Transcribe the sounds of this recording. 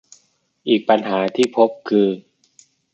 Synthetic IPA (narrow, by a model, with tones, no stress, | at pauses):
ʔiː˨˩k̚pa˧nɦaː˩˦t̪ʰiː˥˩pʰo˦˥p̚kʰɯː˧